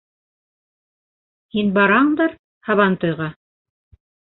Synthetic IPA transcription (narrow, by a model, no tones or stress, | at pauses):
hinbɑɾɑɴd̪ɑɾ | hɑβɑnt̪ŏjʁɑ